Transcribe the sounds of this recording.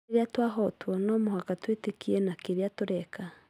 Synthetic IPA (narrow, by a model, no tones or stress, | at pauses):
ɾjatwaːɦotwɔnomohakatwetekienakeɾjatuɾɛka